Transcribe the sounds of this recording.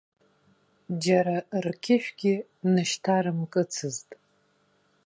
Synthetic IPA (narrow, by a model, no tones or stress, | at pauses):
d͡ʒaɾarkʲʰɪʃᶣɡʲɪ | nɨʃtʰaɾɨmkʼɨt͡sʰɨztʼ